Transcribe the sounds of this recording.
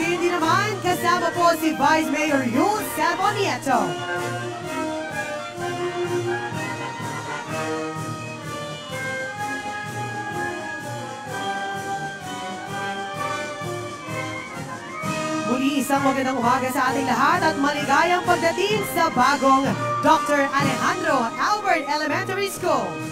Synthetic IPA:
ind̪inɐmankɐzaːmɐposivajsmejɔɹjud̪sɛmoniɛt͡ʃo | mʊliʔɪsaŋmɐɡɐnd̪aŋʔʊmaːɡɐsɐʔaːt̪ɪŋlɐɦat̪ɐt̪̚mɐlɪɡaːjɐŋpɐɡ̚d̪ɐt̪iŋsɐbaːɡoŋd̪ɔk̚t̪ɔɹʔɐlɛɦãnd̪ɾoʔalbɛɹt̪ɛlɛmɛ̃nt̪ɐɹiskul

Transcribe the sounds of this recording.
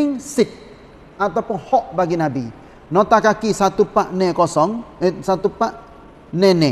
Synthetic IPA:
ɪŋsɪt̪̚ | at̪apɔhɔʔbaɡinabi | nɔt̪akakisat̪upaʔnɛ̃kɔsɔŋsat̪upaʔ | nɛnɛ

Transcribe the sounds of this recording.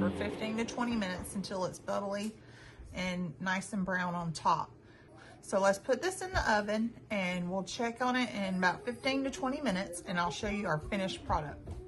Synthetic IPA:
ə̃fɪftĩntɨtʰw̥ɛ̃ɾ̃imɪ̃nɨtsn̩tʰɪlˠətsb̥ʌɾl̩ˠi | ʔɨ̃nːaɪsɨ̃n̩bɹãʊ̃nə̃ntʰɑ̰p̚ | soʊlətspʰʊt̪̚ðɪsɨ̃nðiʔʌvɨ̃nɨ̃nwilˠt͡ʃʰɛkn̩ɪɾɪ̃nəbaʊtfɪftĩntɨtʰw̥ɛ̃ɾ̃imɪ̃ñɨtsɨ̃naɪlˠʃoʊjɨə˞fɪ̃ñɨʃpʰɹ̥ɑɾɨk̚t̚

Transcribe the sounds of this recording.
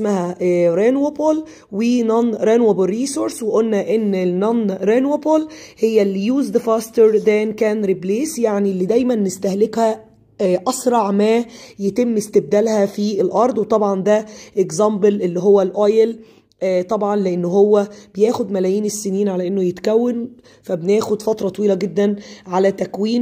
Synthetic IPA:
smæhæɾenwobol | wenɑnɾenwoborːiːsoɾsweʔolːæʔenːnɑnɾenwobolhejːæljuːzd̪efɑst̪eɾd̪æːnkæːnɾibleːsjaʕnilːid̪æjmænːest̪æhlekhæ | ʔɑsɾˤɑʕmæːjet̪emːest̪eb̚d̪ælhæfielʔɑɾˤd̪ˤwet̪ˤɑbʕɑnd̪æʔeɡzɑmbelʔelːiɦowːælʔojel | t̪ˤɑbʕɑnleʔenːɦowːæb̥ejæːxod̪mælæjiːnesːeniːnʕalæʔenːojet̪kæwːen | fæbenæːxod̪fɑt̪ɾˤɑt̪ˤɑwiːlæɡed̪ːænʕalæt̪ækwiːn

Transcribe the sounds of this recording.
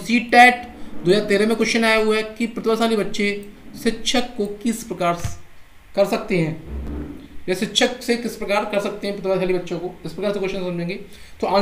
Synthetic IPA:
siːʈɛːʈd̪oːzaːɾt̪eːɾẽmẽkʊʃənaːjaɦʊaɛkipɾɐt̪basaːlibɐtːʃeʃɪtːʃʰəkːokɪspɾɐkaːɾ | kɐɾsɐk̚t̪eɦɛ̃ː | d͡ʒɛːsɪtːʃʰəksekɪspɾɐkaːɾkɐɾsɐk̚t̪eɦɛ̃pɾɐt̪basaːlibɐtːʃõkoɪspɾɐkaːɾsekʊʃənsʊ̃md͡ʒẽːɡi | t̪oãː

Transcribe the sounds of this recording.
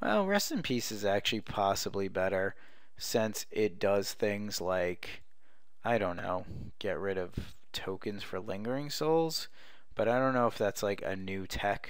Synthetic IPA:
wɛ̰lˠɹɛstɨ̃npʰisɨzæk̚t͡ʃʉl̩ˠipʰɑsəblibɛɾə˞ | sɪ̃nsɪt̚d̥ʌz̥θɪ̃ŋz̥laɪk | ʔaɪɾõʊ̃nːo̰ʊ | ɡ̥ɛʔ̚ɹɪɾʌv̥ | tʰoʊkɨ̃nz̥fə˞lɪ̃ŋɡə˞ɪ̃ŋsoʊlˠz̥ | b̥ʌɾaɪɾõʊ̃nːoʊəfðætslaɪkɨ̰nʉtʰɛk

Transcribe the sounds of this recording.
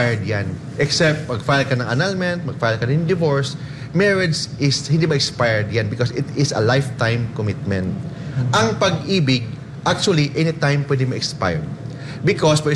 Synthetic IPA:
jd̪jan | ʔɛksɛp̚t̪̚mɐɡfajlkɐnɐ̃ŋɐ̰nalmɛ̃nt̪̚mɐɡ̚fajlkɐnɐ̃d̪ɪvoɹs | mɛɹɛd̪sʔɪshɪnd̪iːmɐʔɪkspajɛɹd̪janbɪkosɪt̪ɪsɐ̰lajft̪ãjmkomɪt̪̚mɛ̃nt̪̚ʔɐŋpɐɡʔiːbɪɡ̚ | ʔak̚t͡ʃuɐliʔɛnit̪ãjmpwɛd̪ɪŋmɐɛkspa̰jɹd̪ | bɪkospɛ

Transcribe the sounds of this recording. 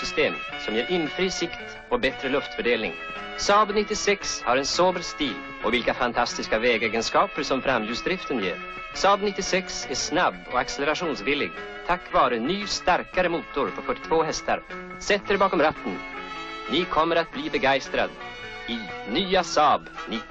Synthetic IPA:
sʏst̪eːm | sɔmjeːɾʔɪnfɾiːsɪkt̪ | ɔbɛt̪ɾəlɵft̪fœɖeːlnɪ̰ŋ | sɑːbnɪt̪ːɪsɛkshaɾɛnsoːbəɾst̪iːl | ɔ̰vɪlkafant̪ʰast̪ɪskavɛːɡeːɡənskɑːpəɾʂɔmfɾamt̪ʰʉːsd̪ɾɪft̪ənjḛːɾ | sɑːbnɪt̪ːɪsɛksæʂnabːɔ̰aksɛlɛɾaʂuːnsvɪlːɪ̰ɡ | t̪ʰakːvɑːɾənyːst̪aɾkaɾəmuːt̪ʊɾpʰɔfœʈːɪ̥t̪ʰvoːɦɛst̪a̰ɾ | sɛt̪ːəɾbɑːkɔmɾat̪ːənnɪkʰɔmːəɾat̪̚bliːbɛɡajst̪ɾa̰d̪ | ɪnyːasɑːbnɪ

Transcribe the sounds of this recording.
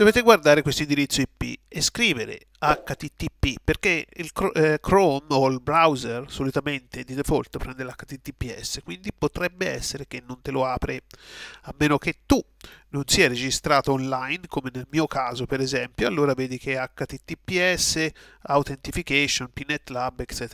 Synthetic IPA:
d̪̥oveːt̪eɡward̪aːɾekwest̪oind̪iɾit̪sːoipːḭeskɾiːveɾḛ | akːat̪it̪ːipːipːerkeḭlkkɾomolbɾawzersolit̪ament̪ed̪id̪efolt̪epɾɛnd̪elakːat̪it̪ːipːiɛ̰sːekwind̪ipot̪ɾɛbːeɛ̰sːeɾek̟enːont̪eloaːpɾeamːeːnok̟et̪ːunonsiːaɾed͡ʒist̪ɾaːt̪oonlajnkomenelmiːokaːzopeɾezɛmpjoalːoːɾavɛːd̪ikʰeakːat̪it̪ːipːiɛsːeawt̪ent̪ifikɛʃːonpinːet̪ːlabːekt͡ʃɛːt̪

